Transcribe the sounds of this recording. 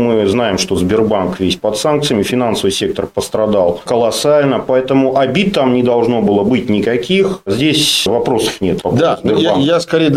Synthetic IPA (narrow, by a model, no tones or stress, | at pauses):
mɨznajɪmʂt̪o̞zʲbʲɪrbankvʲesʲpɐt̪sank̚t̪sɨjəmʲɪfʲɪnansəvɨjsʲe̞k̚t̪ərpəst̪ɾɐd̪alˠkəlˠɐsalʲnəpɐɛt̪əmʊʔɐbʲit̪ːamnʲɪd̪ɐlˠʐno̞bɨlˠəbɨtʲnʲɪkɐkʲixzʲdʲesʲvɐpɾo̞sə̥fnʲe̞t̪vɐpd̪azb̪ɪrjbajaskɐɾʲejə